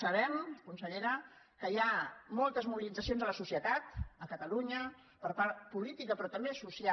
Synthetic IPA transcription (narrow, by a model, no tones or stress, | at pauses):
əβɛmkunsəʎeɾə | kəjamɔlˠt̪əzmuβilid͡zəsijonzələsusjət̪at̪əkət̪əluɲə | pəɾpaɾt̪̚pulit̪ikəpɾɔt̪əmbesusia